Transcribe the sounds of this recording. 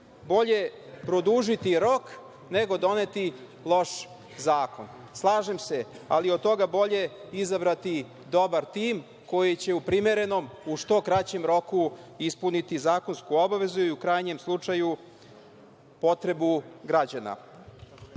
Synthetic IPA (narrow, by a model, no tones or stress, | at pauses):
bo̞ʎe̞pɾo̞d̪uʒit̪iɾo̞k | neɡo̞d̪o̞ne̞t̪i | lˠo̞ʃ | zaːko̞n | slˠaːʒe̞mse̞aliod̪̚t̪o̞ɡabo̞ʎe̞izabɾat̪i | d̪o̞baɾt̪iːm | ko̞jit͡ɕe̞upɾime̞ɾe̞no̞muʂt̪o̞kɾat͡ɕe̞mɾo̞kuispunit̪izaːko̞nskuo̞baʋe̞zuiukɾajɲe̞mslˠut͡ʂaju | po̞t̪ɾe̞buɡɾad͡ʑana̰